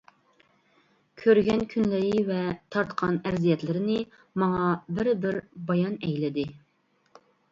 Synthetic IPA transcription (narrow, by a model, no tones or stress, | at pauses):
kʲʰøɾɡʲɛnkʲʰynlɪɾɪvɛt̪ʰɑɾt̪qʰɑnɛɾzijɛt̪lɪɾɪnɪ | mɑŋɑbɪɾbɪɾbɑjɑnɛjlɪd̪ɪ